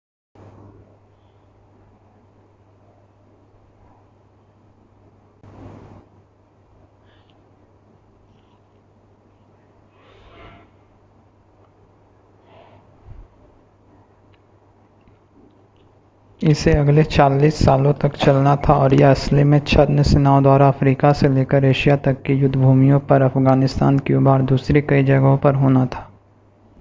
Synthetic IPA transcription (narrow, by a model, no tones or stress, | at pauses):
ɪseɐɡlet͡ʃaːliːsːaːlõt̪ɐkt͡ʃɐlnat̪ʰaɔːɾjeɐslemẽt͡ʃʰɐd̪nsenaːõd̪waːɾaɐfɾiːkaseleːkəɾeːʃijat̪ɐkːijʊd̪ʱbʱuːmijõpɐɾɐfɡaːnɪst̪a̰ːnkeubaːɾd̪uːsɾekɐid͡ʒɐɡɦõpɐɾɦoːnat̪ʰḁː